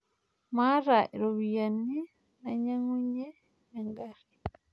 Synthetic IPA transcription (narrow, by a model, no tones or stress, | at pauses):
maɾaʔiɾoβijani | naɲaŋuɲe | eŋɡaɾi